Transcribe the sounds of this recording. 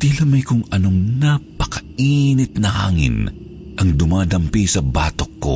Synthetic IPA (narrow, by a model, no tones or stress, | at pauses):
t̪ilɐmɐjkʊŋɐnoŋnapɐ̥kɐiːnɪt̪̚nɐha̰ːŋɪ̰n | ʔɐŋd̪ʊmaːd̪ɐmpisɐbaːt̪okːo̰